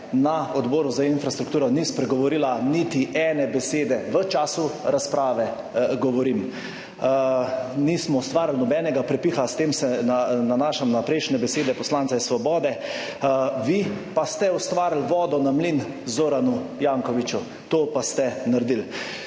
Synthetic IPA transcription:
naɔd̪bɔːɾuzainfɾast̪ɾukt̪uːɾɔnispɾɛɡɔʋɔɾiːlanit̪iʔɛnɛbɛseːd̪ɛʋət͡ʃaːsuɾaspɾaːʋɛ | ɡɔʋɔɾim | nismɔʊst̪ʋaːɾlnɔbɛːnɛɡapɾɛpiːxast̪eːmsɛnananaːʃamnapɾɛjʃnɛbɛseːd̪ɛpɔslansaisʋɔbɔːd̪ɛ | ʋipast̪ɛɔst̪ʋaːɾlʋɔːd̪ɔnamlin | zoːɾanujaŋkɔʋit͡ʃu | t̪oːpast̪ɛnaɾd̪il

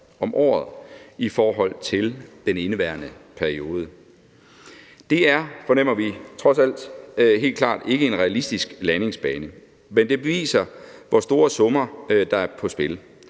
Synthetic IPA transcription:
ɒ̽mʔɒ̰ːð̩ˠifɒːɦɒ̽l̰t͡sʰe̝ld̥ene̝nəʋæɐnəpʰæɐio̝ːð̞ˠə | d̥e̝æɐfɒ̽nem̰ɐʋit͡sʰʁɒ̽sæl̰d̥ɦe̝̰ːlkʰlɑ̰̈ːd̥e̝ɡ̥əe̝nʁɛælisd̥isɡ̥læne̝ŋsb̥ɛːnə | mend̥e̝b̥e̝ʋḭːsɐʋɒsd̥o̝ːɐsɔ̽mɐd̥ɑ̈æɐpʰɒ̽sb̥e̝l

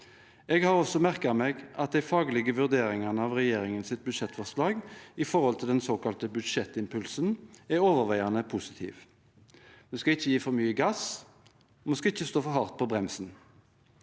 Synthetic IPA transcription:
ɛɡhɑʁɔsɔmæʁkəmeɡɑt̪̚d̪æɪfɑːɡəlɪɡəʋʉʁd̪eːɾɪŋɑʁnəɑːʋʁɛjeːɾɪŋənsɪt̪̚bʉd̪ʃɛt̪ːfɔʁslɑːɡɪfɔʁhɔlt̪ʰɪld̪ɛnsoːkɑlt̪əbʉd̪ʂɛt̪ːɪmpʰʉlsənæɾoːʋəʁʋæɪɑnəpʰʊsɪ̥t̪ʰḭːʋ | d̪ɛskɑɪçːəjiːfɔʁmyːəɡɑs | ɔmɑnskɑɪçːəst̪oːfɔɦɑʁt̪̚pʰɔbʁɛmsn

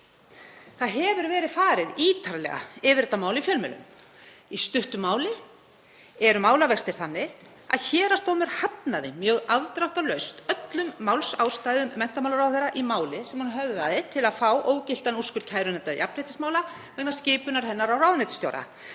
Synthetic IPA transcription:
θaðɦɛvʏɾvɛːɾɪð̥faːɾɪðiːt̪ʰaɾlɛ̰ɣa̰ɪːvɪɾɛt̪ːamaːwlɪifjœlmɛ̰lːʏ̰m | ist̪ʏht̪ʏmːaːwlɪ | ɛɾʏmaːwlavɛxst̪ɪɾ̥θanːɪ | a̰ðçɛːɾast̪owmɛɾ̥hatnaðɪmjœːɣaðt̪ɾawht̪alœɥst̪œt̪lʏmːawlsawst̪ajðʏmːɛn̥t̪amawlaɾawθejɾaʔimaːwlɪsɛmhunɦœvðaðɪt̪ʰɪlaðfaːwʔoːwcɪl̥t̪anuskʏɾ̥cʰaːjɾʏnɛt̪ːaðḭʔapnɛt̪ɪsmaːwla | vɛknaɾ̥scɪːpʏnaɾ̥hɛnːaɾawrawðnɛt̪ʏ̥st̪jo̰wɾa̰

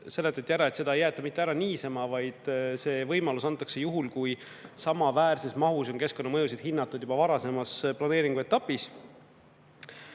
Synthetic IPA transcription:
se̞lːet̪ːˑet̪ːjæɾɑe̞t̪se̞d̪ɑejæːt̪ːˑɑmit̪ˑːeæɾɑniːsemɑvɑjd̪̥se̞ːvɤjmɑlusɑnt̪ːˑɑkse̞juɦulkuj | sɑmɑvæːɾse̞smɑɦuso̞nke̞sko̞nːɑmɤjusid̪̥hinːɑt̪ːˑud̪̥jub̥ɑvɑɾɑse̞mɑsplɑne̞ːɾiŋɡ̥ue̞t̪ːˑɑpːis

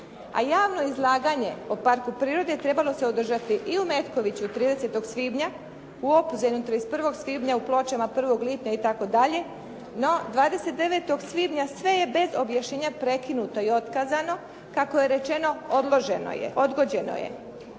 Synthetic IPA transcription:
a̰jaːʋno̞izlˠaːɡaɲe̞̰opaɾkupɾiːɾo̞d̪et̪ɾe̞balˠo̞seod̪r̩ʒat̪iʔiume̞t̪ko̞ʋit͡ɕut̪ɾiːd̪e̞set̪o̞ɡsʋiːbɲa | uo̞puzaɲut̪ɾoispr̩ʋo̞ɡsʋiːbɲauplˠo̞t͡ɕamapr̩ʋo̞ɡlit̪ɲait̪ako̞d̪aʎe̞ | no̞d̪ʋaːd̪e̞se̞t̪̚d̪e̞ʋe̞t̪o̞ɡsʋiːbɲasʋe̞jebe̞zobjaʃɲeːɲapɾe̞kinut̪o̞io̞t̪kazano̞ | kako̞je̞ɾe̞t͡ʃe̞no̞od̪lˠo̞ʒe̞̰no̰jḛʔo̞d̪ɡo̞d͡ʑe̞no̰jḛ

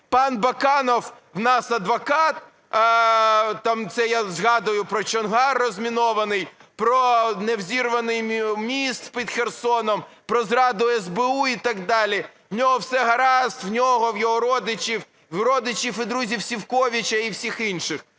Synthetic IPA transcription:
pɑnbɐkɑnɔw | wnɑsɐd̪ʋɐkɑt̪ | t̪ːɑmt̪sɛjazɦɑd̪ʊjʊpɾɔt͡ʃɔnɦɑrːɔzʲmʲinɔʋɐnɪjpɾɔnewzʲirʋɐnɪjmʲist̪pʲid̪xersɔnɔm | pɾɔzrɑd̪ʊɛzbɪuit̪ɐɡd̪ɑlʲi | wnʲɔɦɔwsɛɦɐɾɑst̪wnʲɔɦɔwjɔɦɔɾɔd̪ɪt͡ʃʲiw | ɾɔd̪ɪt͡ʃifɪd̪ɾuzʲiwsʲiwkɔʋʲit͡ʃɐiwsʲixinʃɪx

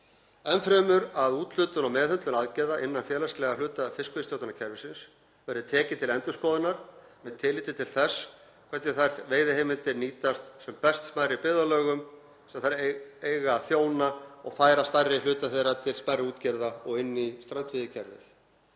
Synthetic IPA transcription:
ɛnfɾɛːmʏɾaðuːt̪l̥ʏt̪ʏnawmɛːðhʏnt̪lʏnaðcɛɾðaʔɪnːanfjɛːlɛst̪lɛɣalʏːt̪afɪskʏvɪst̪jowt̪anacʰɛɾvɪsɪns | vɛɾɪðɪt̪ʰɛːcɪt̪ʰɪlɛnt̪ʏ̥skɔːðɪnaɾ̥mɛðt̪ʰɪliːt̪ɪt̪ʰɪlθɛs | kʰvɛt̪nɪθajɾveːjðɪhejmɪnt̪ɪniːt̪ast̪sɛmpɛst̪smaːjɾipɪðalœːɣʏm | sɛmaθaɾejɣaθjoːwnaɔɣfaːjɾast̪ajrːɪlʏːt̪aθejɾat̪ʰɪlsmajɾɪuːt̪cɛɾðaɔɣɪnːist̪ɾant̪fɪðɪcʰɛɾvɪ̰θ

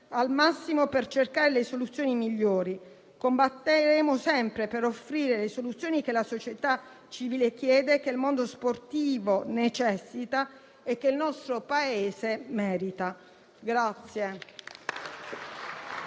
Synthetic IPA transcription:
almasːimopert͡ʃerkaːɾelesolut̪sjoːnimiʎːoːɾi | kombat̪ːeɾeːmosɛmpɾepeɾofːɾiːɾelesolut̪sːjoːnikelasot͡ʃjet̪a | t͡ʃiviːlek̟jɛːd̪ekeilmond̪osport̪iːvonet͡ʃɛsːit̪a | ɛkːeilnɔst̪ɾopaeːzemɛːɾit̪a | ɡɾat̪sːje

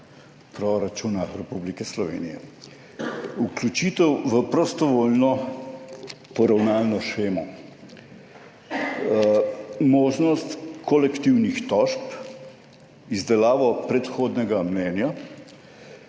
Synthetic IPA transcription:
pɾɔɾat͡ʃunaɾɛpublikɛslɔʋḛnijɛ̰ | uklʲut͡ʃiːt̪ɛwʋəpɾɔst̪ɔʋoːlnɔ | pɔɾawnaːlnɔʃxeːmɔ | mɔːʒnɔst̪kɔlɛkt̪iwnixt̪ɔʃp | izd̪ɛlaːʋɔpɾɛt̪xoːd̪nɛɡamnɛːnja

